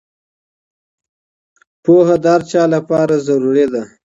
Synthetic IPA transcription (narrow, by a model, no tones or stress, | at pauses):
pohad̪əhaɾt͡ʃɑlapɑɾazaɾuɾed̪a